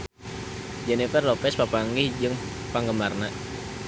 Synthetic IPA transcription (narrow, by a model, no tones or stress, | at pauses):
d͡ʒɛnifərlopɛspapaŋɪhd͡ʒəŋ | paŋɡəmarnaʔ